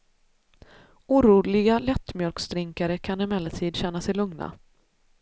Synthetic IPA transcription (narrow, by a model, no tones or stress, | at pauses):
uːɾuːlɪɡalɛt̪ːmjœlksd̪ɾɪŋkaɾəkʰanɪmɛlat̪ʰiːd̪ɕɛnːasɛjlɵŋna̰